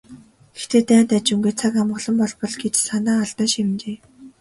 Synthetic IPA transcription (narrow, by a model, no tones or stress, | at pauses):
ɡe̥xt̪ʰeːt̪æːnt̪at͡ɕuŋɡeːt͡sʰakamɢɞ̆ɮɞ̆mpɔɮpɞ̆ɮɡet͡ɕsanaːaɮt̪aːʃemt͡ɕeː